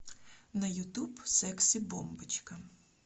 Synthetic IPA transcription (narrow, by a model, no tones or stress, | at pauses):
nɐjʊt̪ubsɛksʲibɔmbɪt͡ʃkɐ